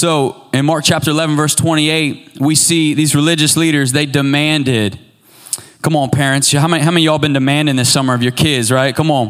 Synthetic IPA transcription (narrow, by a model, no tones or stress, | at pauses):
soʊɨ̃nmɑɹk̚t͡ʃʰæp̚tə˞əlɛṽn̩vɜ˞stʰw̥ɛ̃ɾ̃ieɪt̚wisiðizɹɨlɪd͡ʒɨsliɾə˞zðeɪdɨmæ̃ndɪd̥̚ | kʰʌ̃mn̩pʰɛɹɨ̃ntshaʊmɛ̃ɦaʊmɛ̃njɨɔlˠbɨ̃ndɨmæ̃ndɪ̃ŋðɪsʌmə˞ʌvjə˞kʰɪdzɹaɪt̚kʰʌ̃m̃n̩